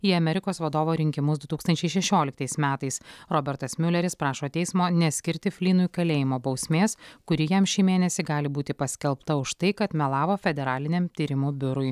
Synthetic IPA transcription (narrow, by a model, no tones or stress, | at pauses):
iːɐmʲɛɾʲɪkoːsʋɐd̪oːʋoːɾʲɪŋʲkʲɪmʊsd̪ʊt̪uːkst̪ɐnʲt͡ʃʲɛɪʃʲɛʃʲoːlʲɪk̚t̪ɐɪsmʲæːt̪ɐɪsɾɔːbʲɛɾt̪ɐsmʲʊlʲɛɾʲɪspɾɑːʃoːt̪ʲɛɪsmoːnʲɛsʲkʲɪɾʲt̪ʲɪfʲlʲiːnʊjkɐlʲeːjɪmoːbɒʊsʲmʲeːskʊɾʲɪjɛmʃʲiːmʲeːnʲɛsʲɪɡɑːlʲɪbuːt̪ʲɪpɐsʲkʲɛlˠpt̪ɐʊʃt̪ɐɪkɐt̪mʲɛlˠɑːʋoːfʲɛd̪ʲɛɾɑːlʲɪnʲɛmt̪ʲiːɾʲɪmuːbʲʊɾʊɪ